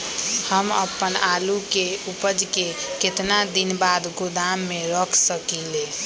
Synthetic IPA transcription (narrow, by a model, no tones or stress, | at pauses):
həməpːənalukeupəd͡ʒkeket̪nad̪inbad̪ɡud̪amːeɾəkʰsəkile